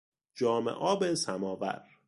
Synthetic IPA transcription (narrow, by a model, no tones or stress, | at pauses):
d͡ʒɒːmḛʔɒːbesæmɒːvæ̰ɾ